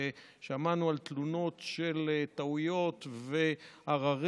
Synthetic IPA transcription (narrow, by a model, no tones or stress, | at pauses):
eʃamanualt̪luno̞t̪ʃe̞lt̪aujo̞t̪veaʁaʁ